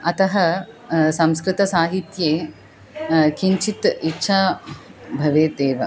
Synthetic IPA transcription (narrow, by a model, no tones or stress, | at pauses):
ɐt̪ɐɦɐ | sɐmskɾɪt̪ɐsaːɦit̪jeː | kiɲt͡ʃit̪itːʃʰaː | bʱɐʋeːd̪eːʋɐ